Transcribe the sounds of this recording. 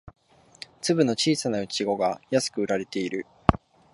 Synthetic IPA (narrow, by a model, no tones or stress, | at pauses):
t͡sɨbɯ̟no̞t͡ɕiːsanaɯ̟t͡ɕiɡo̞ɡajasɨ̥kɯ̟ɯ̟ɾaɾe̞t̪e̞iɾɯ̟